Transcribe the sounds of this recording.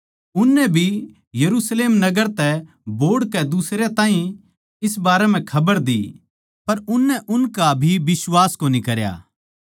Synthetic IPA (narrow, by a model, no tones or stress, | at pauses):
ʊnːɛbʱi | jɐɾuːsleːmnɐɡəɾt̪ɛ | boːɽkɛd̪usɾjet̪ãːɦĩ | ɪsbaːɾɛm̤ɛ̃kʰɐbəɾd̪ḭː | pɐɾʊnːɛʔʊnkabʱibɪswaːskonĩkɐɾja̰ː